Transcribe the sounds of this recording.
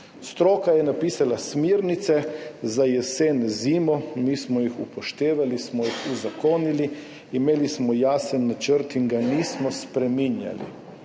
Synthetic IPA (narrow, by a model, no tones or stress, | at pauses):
st̪ɾoːkajɛnapiːsalasmiɾnit̪sɛzajɛseːnziːmɔmiːsmɔjixupɔʃt̪eːʋalismɔjixuzakoːniliː | meːlismɔjaːsɛnːat͡ʃəɾt̪iŋɡaniːsmɔspɾɛmiːnja̰lḭ